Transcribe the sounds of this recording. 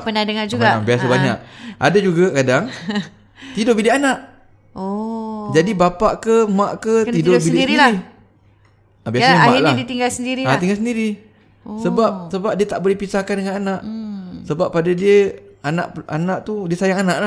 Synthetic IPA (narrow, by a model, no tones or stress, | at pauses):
pənadəŋand͡ʒuɡabiasabaɲa̰ʔ̚a̰dad͡ʒuɡakadaŋ | t̪idʊbiliʔanaʔ | od͡ʒadibapaʔkəmaʔkət̪idobiiɾnili | abiasamaaʔladit̪iŋɡalsəndiɾiat̪iŋɡals̬əndiɾi | səbap̚səbap̚diət̪aʔbolɛhpisahkandəŋananaʔsəbapːadadiəana̰ʔa̰naʔt̪udiəsajaŋanaʔla